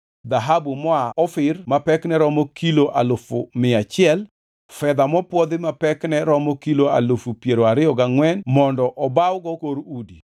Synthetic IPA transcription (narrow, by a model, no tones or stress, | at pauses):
d̪aɦabumɔaɔfɪrmapɛknɛɾɔmɔkʰiloʔa̰lofʊmɪat͡ʃɪɛl | fɛd̪amɔpwɔd̪ɪmapɛknɛɾɔmɔkiloa̰lofupjeɾoaɾɪɔɡaŋwɛnmɔndɔʔɔbawɡɔkoɾudi